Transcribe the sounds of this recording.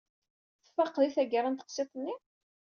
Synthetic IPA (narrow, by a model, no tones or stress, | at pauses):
θə̥fɑqːðiθæɡəɾˤant̪ə̥qsˤet̪ˤənːi